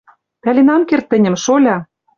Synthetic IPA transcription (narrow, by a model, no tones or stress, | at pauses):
t̪ælʲenɑnkert̪ːɘ̆nʲɘ̆mʃolʲɑ